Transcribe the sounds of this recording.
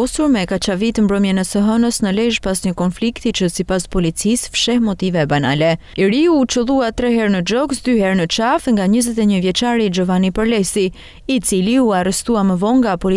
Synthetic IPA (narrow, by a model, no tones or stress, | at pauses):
ɔsuɾmɛkat͡ʃavit̪əmbɾɔmjɛnɛsəɦənəsnəlɛʒpasɲəkɔnflikt̪it͡ʃəsipaspɔlit͡sisfʃɛhmɔt̪ivɛbana̰lɛ | ɛɾiut͡ʃəlˠuat̪ɾɛɦɛɾnəd͡ʒɔɡsd̪yhɛɾnət͡ʃafŋɡaɲəzɛt̪ɛɲəvjɛt͡ʃaɾid͡ʒɔvanipəɾlɛsi | it͡siliuarɛst̪uaməvɔŋɡapɔli